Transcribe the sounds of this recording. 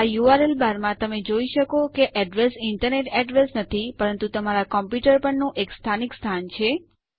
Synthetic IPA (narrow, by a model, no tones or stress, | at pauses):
ajuaɾelbaɾmãt̪əmed͡ʒoiʃəkokeʔɛɖɾesɪɳʈəɾneʈɛɖɾesnət̪ʰipəɾənt̪ut̪əmaɾakɔmpjuʈəɾpəɳnũʔekst̪ʰanikst̪ʰant͡ʃʰe